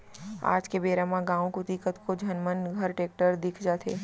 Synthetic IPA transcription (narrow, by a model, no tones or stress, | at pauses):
a̰ːd͡ʒkebeɾamãɡãːũkʊt̪ikət̪kod͡ʒʱənmənɡʱəɾʈek̚ʈəɾd̪ɪkʰd͡ʒat̪ʰḛ